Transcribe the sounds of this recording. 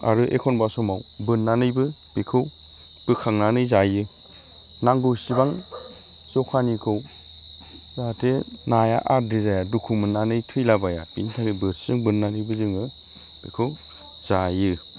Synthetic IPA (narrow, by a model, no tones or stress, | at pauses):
a̰ɾɯʔḛkʰɔnbasɔmawbɯnːanɯjbɯ | b̥ikʰɯw | b̥ɯkʰaŋnanɯjzajɯ | naŋɡɯwsibaŋ | sɔkʰanikʰɯw | zatʰenaja̰ʔadizajadukʰumɯnːanɯjtʰɯjlabaja̰pintʰaɡebɯszɯŋbɯnːanɯjbɯzɯŋɯ | b̥ikʰɯw | z̥ajɯ